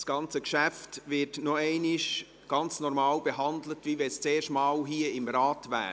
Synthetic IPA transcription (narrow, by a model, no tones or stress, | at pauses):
sɡ̥ɑnt͡səkʃæftʋɪtnɔɛɪnɪʃ | ɡ̥ɑnt͡snɔɾmɑːlb̥eɦɑndlətʋiʋɛst͡seːʃtmɑːlɦiːəɪmrɑːtʋæ̰ː